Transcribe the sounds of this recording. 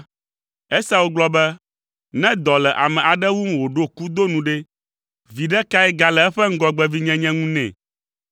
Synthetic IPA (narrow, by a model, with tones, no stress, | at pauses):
ɛ˦sa˦wo˦ɡ͡blɔ˦bɛ˦ | nɛ̃˦d̪ɔ˨lɛ˨ʔa˨mɛ̃˨ʔa˨ɖɛ˦wu˦m˦˨wo˨ɖo˦ku˦d̪o˦nũ˨ɖɛ˦ | vi˨ɖɛ˦ka˦ɛ˦ɡa˨lɛ˨ɛ˦ɸɛ˦ŋ̩˦ɡɔ˦ɡ͡bɛ˦vi˦ɲɛ̃˦ɲɛ̃˦ŋũ˦nɛ̰̃˨